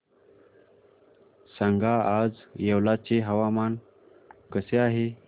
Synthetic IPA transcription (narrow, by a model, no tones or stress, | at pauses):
saŋɡʱaad͡zjewlat͡ɕeɦəʋaman | kəseaɦe